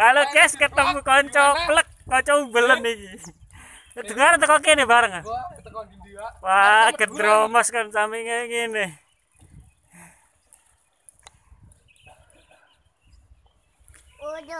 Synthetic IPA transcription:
kalokɛskət̪əmukɔɲt͡ʃɔplək̚ːɔɲt͡ʃɔubələnid͡ʒi | d̪uŋaɾəŋt̪əkok̬enɪhbaɾəŋ | waɡərd̪ɾomɔskansamiŋəŋinɪh

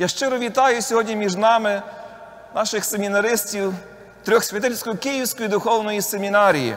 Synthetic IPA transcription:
jaʃt͡ʃɪɾɔʋʲit̪ɑjʊsʲɔɦɔdʲnʲimʲiʒnɑmɪ | nɑʃɪxsemʲinɐɾɪsʲtʲiw | t̪ɾʲɔxsʲʋʲɐt̪ɪlʲsʲkɔjʊkɪjiwsʲkɔjid̪ʊxɔwnɔjisemʲinɑɾʲijḭ

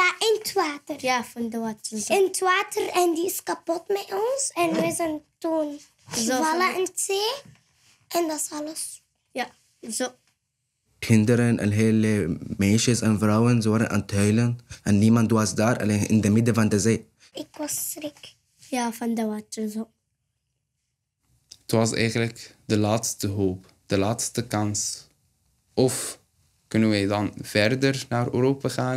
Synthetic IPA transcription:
d̪aʔɪnt̪ʰwaːt̪əɾjafand̪əwatːəzɪnt̪waːt̪əɾɛnd̪iskapɔt̪mɛɔnsɛnwɛzənt̪uːn | zovalɐʔɪntseː | ʔɛnd̪asɑləs | ja | zo | t̪hɪnd̪əɾənʔa̰lɦeːlmeʃɪzanfɾawənzowɾaʔa̰nt̪hœjlənʔɛnːiːmɑnt̪wɑsd̪aːɾʔa̰leːnʔɪ̰ndəmɪd̪əvɑnd̪əzeː | ɪkwɑsɾɪk | jaːfɑnd̪əwaːt̪əɾzo | ətʋɑsɛ̰jχənləkdəlaːtstəɦoːp | d̥əlaːtstəkɑns | ʔɔf | kʏnənʋɛjdɑnv̥ɛrdərnaːɾø̰ːɾoːpaχaː

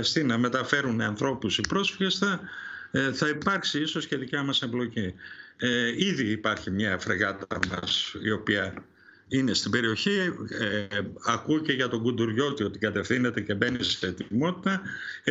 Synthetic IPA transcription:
st̪inɐme̞t̪ɐfe̞ɾuniɐnθɾo̞pusipɾo̞sfiʝest̪ɐ | θɐipɐɾksiiso̞sceðicɐmɐse̞mblo̞ci | iðiːpɐɾçimɲɐefɾeɣɐt̪ɐmɐ̰sio̞piɐ | ine̞st̪ibe̞ɾio̞çi | ɐkuce̞ʝɐt̪o̞ŋɡund̪uɾʝo̞t̪io̞t̪ikɐt̪e̞fθine̞t̪e̞ce̞be̞nissθet̪imo̞t̪i̥t̪ɐ

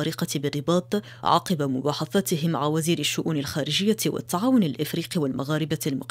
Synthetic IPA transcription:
ɑːɾiːqɑbɪrːɪbɑːt̪ˤ | ʕɑ̰ːqɑbamʊbaːħɑθaːt̪ɪɦɪma̰ʕawaziːɾɪʃːʊʔuːnɪlxaːɾɪʒɪjːawɪ̰t̪ːaʕaːwʊnalʔɪfɾiːqiwalmaɣaːɾɪbalmʊ̰q

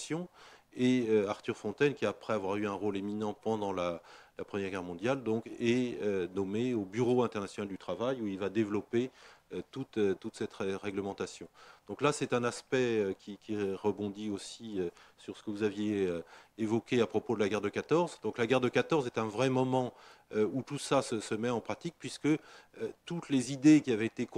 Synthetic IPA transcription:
sjɔ̃eøaʁt̪yʁfɔ̃t̪ɛnkʲiaːpχɛavwaʁyɛ̃ʁoleminɑ̃pɑ̃d̪ɑ̃lalapχəmjɛʁɡʲɛʁmɔ̃d̪jald̪ɔ̃kɛønɔmeobyʁoɛ̃t̪ɛʁnasjɔnald̪yt̪χavajuilvad̪evlɔpeøt̪ut̪øt̪ut̪sɛt̪ʁɛʁɛɡləmɑ̃t̪asjɔ̃d̪̥ɔ̃klasɛt̪ɛ̃naspɛøkʲikʲʰiʁəbɔ̃d̪iosiøsyʁsə̥kəvuzavjeøːvɔkʲeapχɔpod̪əlaɡʲɛʁd̪əkat̪ɔʁzd̪ɔ̃klaɡɛʁd̪əkat̪ɔʁzɛt̪ɛ̃vʁɛmɔmɑ̃øut̪usasəsəmɛɑ̃pχat̪ik̚pɥiskəøt̪ut̪lezid̪ekʲiavɛet̪ek

